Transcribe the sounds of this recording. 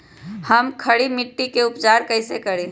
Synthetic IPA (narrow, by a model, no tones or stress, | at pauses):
hɐmkʰɐɽimɪʈːikeʊpt͡ʃaːɾkɐɪsekɐɽẽː